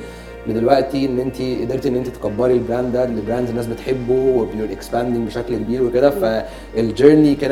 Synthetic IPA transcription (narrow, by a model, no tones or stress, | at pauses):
bed̪elwæʔt̪ienːʔent̪iʔed̪eɾt̪iʔnːʔent̪it̪kɑbːɑɾilbɾæːnd̪d̪ælːebɾæːnd̪zenːæːs̬bet̪ħebːuwebenoɾʔekspænd̪eŋbeʃæklkebiːɾweked̪æfæ | ʔeld͡ʒeɾnike